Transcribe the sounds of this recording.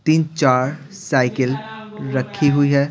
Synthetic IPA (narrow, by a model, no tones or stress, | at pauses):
t̪iːnt͡ʃaːɾ | saːɪkɪlɾəkʰːiɦuiɦɛː